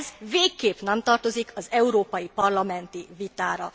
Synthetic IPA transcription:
zveːkːeːpnɛmt̪ɒrt̪o̞zikʰɒzɛuɾoːpɒjipɒrlɒmɛnt̪ivit̪aːɾɒ

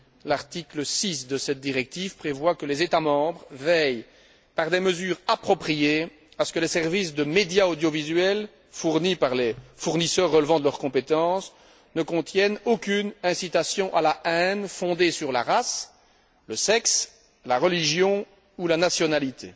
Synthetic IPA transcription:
laʁt̪ikləsisd̪əsɛt̪̚d̪iʁɛk̚t̪ivpχevwakəlezet̪amɑ̃ːbʁvɛj | paʁd̪eməzyːʁapχɔpχije | asə̥kəlesɛʁvis̬d̪əmed̪jaod̪jɔvizɥɛl | fuʁnipaʁlefuʁnisœːʁːəlvɑ̃d̪əlœʁkɔ̃pet̪ɑ̃s | nəkɔ̃t̪jɛnokʲynɛ̃sit̪asjɔ̃ʔalaɛ̃nfɔ̃d̪esyʁla̰ʁas | ləsɛks | laʁəliʒjɔ̃ | ulanasjɔnalit̪ʰḛ

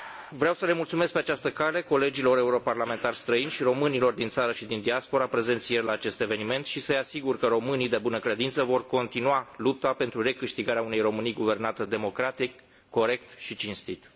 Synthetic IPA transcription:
vɾeawsəle̞mult̪sume̞sk̚pe̞at͡ʃast̪əkale̞ko̞le̞d͡ʒilo̞ɾe̞uɾo̞parlame̞nt̪arst̪ɾəinʃiɾo̞mɨnilo̞rd̪int̪saɾəʃid̪ind̪iaspo̞ɾapɾe̞ze̞nt̪sjerʲlaːt͡ʃe̞st̪e̞ve̞nime̞nt̪ʃisəjasiɡurkəɾo̞mɨnijd̪e̞bunəkɾe̞d̪int̪səvo̞rko̞nt̪inuwalup̚t̪ape̞nt̪ɾure̞kɨʃt̪iɡaɾeaune̞jro̞mɨnijɡuve̞rnat̪əd̪e̞mo̞kɾat̪ikː | o̞ɾe̞kt̪ʃit͡ʃinst̪it̪

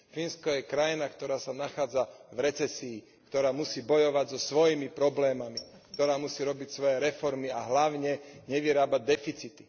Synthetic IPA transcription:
finskɔjɛkɾajinakt̪ɔɾaːsanaxaːd͡zavɾɛt͡sɛsiː | kt̪ɔɾaːmusiːbɔjɔʋaɟzɔsʋɔjimipɾɔblɛːmami | kt̪ɔɾaːmusiːɾɔbicsʋɔjɛɾɛfɔɾmiaɦlaʊɲɛɲɛʋiɾaːbaɟ̚d̪ɛfit͡sit̪i̥

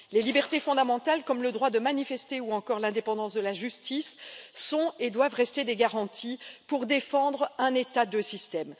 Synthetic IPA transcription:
lelibɛʁt̪efɔ̃d̪amɑ̃t̪alkɔmləd̪ʁwad̪əmanifɛst̪euɑ̃kɔʁlɛ̃d̪epɑ̃d̪ɑ̃sd̪əlaʒyst̪isːɔ̃ed̪wavʁɛst̪ed̪eɡaʁɑ̃t̪ʰipuʁd̪efɑ̃d̪ʁɛ̃net̪ad̪əsist̪ɛm

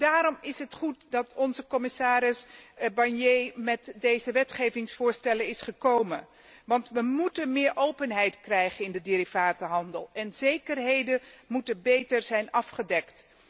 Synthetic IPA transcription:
d̥aːɾɔmɪsɦətχutdɑtɔnzəkɔmɪsaːɾɪsbɑɹnjejmɛtdejzəʋɛtχejvɪŋsfʊːɹstɛlənɪsχəkowmə̰n | ʋɑntʋəmutənmɪːɹʔowpənɦɛjtkrɛjχənɪndədɪɾivaːtəɦɑndəlˠɛnzejkərɦejdəmutəbejtəɹzɛjnɑfχədɛkt

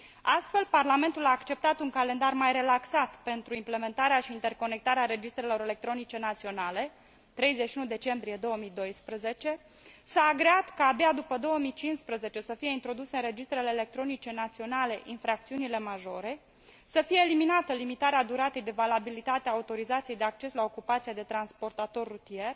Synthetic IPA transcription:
ast̪fe̞lparlame̞nt̪ulaːkt͡ʃe̞p̚t̪at̪uŋkalend̪armajre̞laksat̪pe̞nt̪ɾuimple̞me̞nt̪aɾeaʃiːnt̪e̞rko̞ne̞k̚t̪aɾeaɾe̞d͡ʒist̪ɾe̞lo̞ɾe̞le̞k̚t̪ɾo̞nit͡ʃe̞nat̪sio̞nale̞ | t̪ɾe̞jzeʃiunud̪e̞t͡ʃe̞mbɾije̞d̪o̞wəmid̪o̞jspɾəze̞t͡ʃe̞ | saːɡɾeat̪kaːbad̪upəd̪o̞wəmit͡ʃinspɾəze̞t͡ʃe̞səfije̞int̪ɾo̞d̪useɨnre̞d͡ʒist̪ɾe̞leːle̞k̚t̪ɾo̞nit͡ʃe̞nat̪sio̞nale̞ʔinfɾak̚t̪siunile̞maʒo̞ɾe̞ | səfije̞ːliminat̪əlimit̪aɾead̪uɾat̪ejd̪e̞valabilit̪at̪eaut̪o̞ɾizat̪siejd̪e̞ak̚t͡ʃe̞slao̞kupat̪sijed̪e̞t̪ɾanspo̞rt̪at̪o̞rːut̪ie̞r

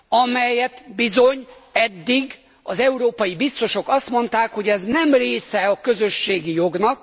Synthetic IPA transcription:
ɒmɛjɛt̪bizo̞ɲɛd̪ːiɡ | ɒzɛuɾoːpɒjibist̪o̞ʃo̞kɒst̪mo̞nt̪aːkho̞ɟɛznɛmreːsɛɒkø̞zø̞ʃːeːɡijo̞ɡnɒk̚

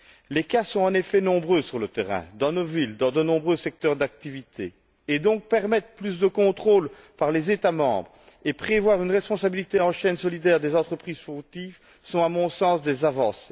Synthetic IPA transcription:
lekasɔ̃ɑ̃nefɛnɔ̃bʁøsyʁlət̪eʁɛ̰̃d̪ɑ̃novild̪ɑ̃d̪ənɔ̃bʁøsɛk̚t̪œʁd̪ak̚t̪ivit̪ʰeː | d̪ɔ̃k̚pɛʁmɛt̪χplys̬d̪əkɔ̃t̪χoːl | paʁlezet̪amɑ̰̃bʁ | epχevwaːʁynʁɛspɔ̃sabilit̪eɑ̃ʃɛnsɔlid̪ɛʁd̪ezɑ̃t̪χəpχiːz̥fyʁt̪if | sɔ̃amɔ̃sɑ̃sd̪ezavɑ̰̃s

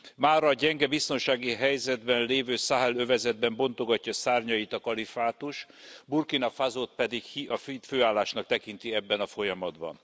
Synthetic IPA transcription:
maːrɒːɟɛŋɡɛbist̪o̞nʃaːɡiɦɛjzɛd̪bɛnleːvøːsaɦɛløvɛzɛd̪bɛmbo̞nt̪o̞ɡɒcːɒsaːrɲɒjit̪ɒkɒlifaːt̪uʃburkinɒfazot̪̚pɛd̪ikhiɒfføːaːlːaːʃnɒk̚t̪ɛkint̪iɛbːɛnɒfo̞jɒmɒd̪bɒ̰n

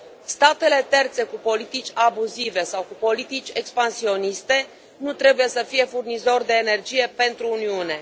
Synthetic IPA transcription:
st̪at̪e̞le̞t̪e̞rt̪se̞kupo̞lit̪it͡ʃʲabuzive̞sawkupo̞lit̪it͡ʃʲe̞kspansio̞nist̪e̞ | nut̪ɾe̞buje̞səfije̞furnizo̞rd̪e̞ːne̞rd͡ʒije̞pe̞nt̪ɾuːniune̞

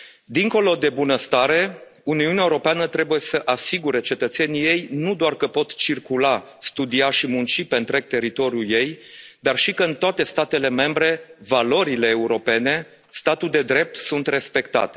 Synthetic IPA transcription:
d̪iŋko̞lo̞d̪e̞bunəst̪aɾe̞uniuneaeuɾo̞peanət̪ɾe̞buje̞səʔasiɡuɾe̞t͡ʃe̞t̪ət̪se̞nije̞jnud̪oarkəpo̞t̪t͡ʃirkula | st̪ud̪iaʃimunt͡ʃipe̞nt̪ɾe̞k̚t̪e̞ɾit̪o̞ɾjuje̞jd̪arʃikəɨnt̪oat̪e̞st̪at̪e̞le̞me̞mbɾe̞valo̞ɾile̞ːuɾo̞pe̞ne̞ | st̪at̪uld̪e̞d̪ɾe̞p̚t̪sunt̪re̞spe̞kt̪a̰t̪e

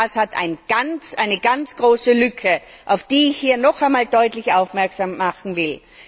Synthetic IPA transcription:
shatʰa̰ɪnɡ̥ant͡sʔaɪnəɡant͡sɡ̥ʁoːsəlʏkʰəʔaʊfd̥iːɪçhiːɐnɔχaɪnmaːldɔʏtlɪçʔaʊfmɛɐksamːaχn̩vɪl

